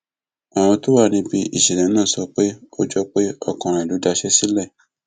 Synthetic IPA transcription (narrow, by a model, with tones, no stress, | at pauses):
a˨w̃ɔ̃˧to˦wa˦˨nĩ˧bi˧ḭ˨ʃɛ˨lɛ̃˨˦nãː˦˨sɔ˧k͡pe˦o˦d͡ʒɔ˧k͡pe˦ɔ˧kɔ̃˨ɾ̃ã˨du˨˦da˧ʃɛ˦si˦lɛ˦˨